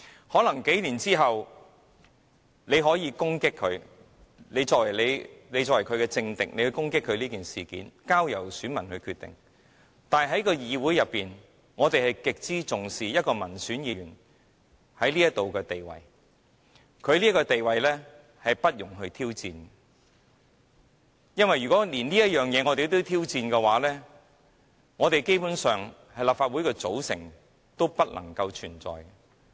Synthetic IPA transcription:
hɔː˨˥lɐ˨˩ŋke˨˥jliː˨˩nt͡siː˥ɦɐ˨w | ne˨˧jɦɔː˨˥jiː˧kʊ˥ŋkɪ˥kʰːɵ˨˧ɥ | ne˨˧jt͡sɔː˨k̚wɐ˨˩jle˨˧jle˨˧jt͡sɔː˨wɐ˨˩kʰɵ˨˧ɥkɛː˧t͡sɪ˧ŋt̪ɪ˨k̚ne˨˧jhɵ˧ɥkʊ˥ŋkɪ˥kʰːɵ˨˧liː˥kiː˨nsiː˨kiː˨˥nkaː˥wjɐ̰˨˩wsyː˨˥nmɐ˨˩nhɵ˧ɥkʰyː˧t̪ɪ̰˨˩ŋ | t̪aː˨nɦɐ˨˥jkɔː˧jiː˨˧wuː˨˥jɐ˨pːiː˨n | ŋɔː˨˧t̪e˨jhɐ˨jkɪ˨k̚t͡siː˥t͡sʊ˨ŋsiː˨jɐ˥t̚kɔː˧mɐ˨˩nsyː˨˥njiː˧yː˨˩n | hɐ˨˥jliː˥jɐ˥t̚t̪o˨wkɛː˧t̪e˨jwɐ̰˨j | kʰɵ˨˧ɥliː˥kɔː˧t̪e˨jwɐ˨jlɛː˥ | hɐ˨jpɐ˥t̚jʊ˨˩ŋɦɵ˧ɥt̪ʰiː˥wt͡siː˧n | jɐ˥nwɐ˨jɥyː˨kɔː˨˥liː˨˩nliː˥jɐ˥t̚jœː˨˩ŋjɛː˨˧ŋɔː˨˧t̪e˨jt̪o˥wt̪ʰiː˥wt͡siː˧nkɛː˧waː˨˥lɛː˥ | ŋɔː˨˧t̪e˨jke˥jpuː˨˥nsœː˨ŋ | hɐ˨˩jlaː˨p̚faː˧t̚wu˨˥jkɛː˧t͡so˨˥wsɪ̰˨˩ŋ | t̪o˥wpɐ˥t̚lʔɐ̰˨˩ŋkɐ˧wt͡ʃʰyː˨˩nt͡sɔ̰ː˨j

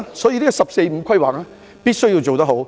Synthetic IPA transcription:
sɔː˨˥jiː˧liː˥kɔ˧sɐ˨p̚se˧jm̩˨˧kʰwɐ˥jwaː˨k̚ɛ˥ | pi˥t̚sɵ˥ɥji˧wt͡ʃo˨wt̪ɐ˥ɦo˨˥w

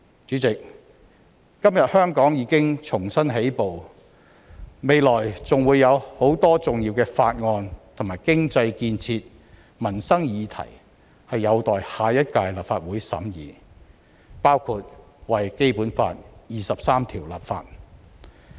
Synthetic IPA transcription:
t͡ʃyː˨˥t͡sɪ˨k̚ | ɐ˥mjɐ˨t̚hœː˥ŋkɔː˨˥ŋjiː˨˧kɪ˥ŋt͡ʃʰʊ˨˩ŋsɐ˥nɦe˨˥jpo˨w | me˨˧jlɔː˨˩jt͡sʊ˨ŋwuː˨˧jɐ˨˧who˨˥wt̪ɔː˥t͡sʊ˨ŋji˧wkɛː˧faː˧t̚ŋɔː˧nt̪ʰʊ˨˩maː˨˩jkɪ˥ŋt͡sɐ˧jkiː˧nt͡sʰiː˧t̚ | mɐ˨˩nsɐ˥ŋjiː˨˧t̪ʰɐ̰˨˩j | hɐ˨jːɐ˨˧wt̪ɔː˨jhaː˨jɐ˥t̚kaː˧jlaː˨p̚faː˧t̚wuː˨˥jsɐ̰˨˥mjiː˨˧ | paː˥wkʰuː˧t̚ | wɐ˨jke˥jpuː˨˥nfa̰ː˧t̚jiː˨sɐ˨p̚saː˥mt̪ʰiː˨˩wla̰ː˨p̚fa̰ː˧t̚

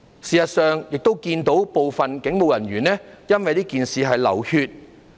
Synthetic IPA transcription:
siː˨sɐ˨t̚sœː˨ŋjɪ˨k̚t̪o˥wkiː˧nt̪o˨˥wpo˨wfɐ˨nkɪ˨˥ŋmo˨wjɐ˨˩nɥyː˨˩nɛː˥jɐ˥nwɐ˨jt̪iː˥kiː˨nsiː˨ɦɐ˨jlɐ˨˩whyː˧t̚

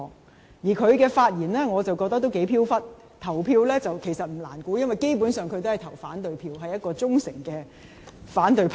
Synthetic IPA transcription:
jiː˨˩kʰɵ˨˧ɥkɛː˧faː˧t̚jiː˨˩nlɛː˥ŋɔː˨˧t͡sɐ˨wkɔː˧k̚t̪ɐ˥kt̪o˥wke˨˥jpʰiː˥wfɐ˥t̚ | t̪ʰɐ˨˩wpʰiː˧wlɛː˥t͡sɐ˨wkʰe˨˩jsɐ˨t̚m̩˨˩la̰ː˨˩nkuː˨˥jɐ˥nwɐ˨jke˥jpuː˨˥nsœː˨˧ŋkʰɵ˨˧ɥt̪o˥hɐ˨jt̪ʰɐ˨˩wfaː˨˥nt̪ɵ˨˧ɥpʰiː˧wɦɐ˨jːɐ˥t̚kɔː˧t͡sʊ˥ŋsɪ̰˨˩ŋkɛː˧ | faː˨˥nt̪ɵ˨˧ɥpʰ

